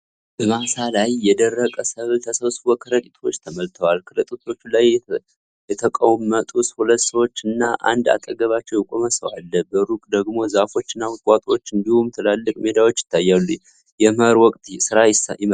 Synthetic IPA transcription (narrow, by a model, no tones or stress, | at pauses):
b̥əmasalajːɛd̪ərːəkʼəsəβt̪ʰəsəβsuwəkʰəɾəkʼit̪ʰo̞t͡ʃːt̪ʰəməlt̪ʰəwalkʰɨlət̪ʼut̪ʰo̞t͡ʃːulaj | jɛt̪ʰəkʼəwmət̪ʼushulət̪ːsəwo̞t͡ʃːɨnːaʔa̰nd̪a̰t̪ʼəɡəβat͡ʃːɛwɛkʼoməsəwa̰lːəbəɾukʼd̪əɡmo̞zafo̞t͡ʃːɨnːahɨkʼat̪ʼo̞t͡ʃːɨnd̪ihumt̪ʰɨlalːɨkʼme̞d̪awo̞t͡ʃːjɪ̥t̪ʰːajːalːu | jɛmɾwɔkʼt̪ʰʼsɨɾajɪs